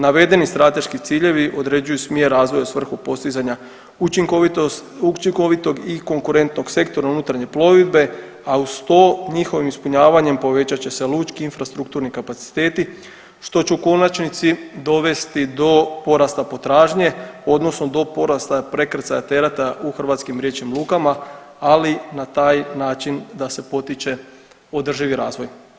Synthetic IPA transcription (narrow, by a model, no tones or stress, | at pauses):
naʋe̞d̪e̞nist̪ɾat̪e̞ʃkit̪siːʎe̞ʋiʔo̞d̪ɾe̞d͡ʑujusmje̞ɾːaːzʋo̞jasʋr̩xupo̞st̪izaɲa | uiŋk | ut͡ʃiŋkoʋit̪o̞ɡiko̞ŋkuɾe̞nt̪no̞ɡse̞kt̪o̞ɾaunut̪ɾaɲe̞plo̞ʋid̪be̞ | aust̪oɲixo̞ʋimispuɲaːʋaɲe̞mpo̞ʋe̞t͡ɕat͡ɕe̞se̞luːt͡ʃkiinfɾast̪ɾukt̪uːɾnikapat̪si̥t̪e̞ːt̪i | ʃt̪o̞t͡ɕuuko̞nat͡ʃnit̪sid̪o̞ʋe̞st̪id̪o̞po̞ɾast̪apo̞t̪ɾaːʒɲe̞o̞d̪no̞sno̞d̪o̞po̞ɾast̪apɾe̞kɾet̪sajat̪e̞ɾat̪aʔuxrʋat̪skimɾjet͡ʃimlˠuːkama | alinat̪aːjnaːt͡ʃind̪ase̞po̞t̪it͡ʃe̞ | o̞d̪r̩ʒiʋiɾaːzʋo̞j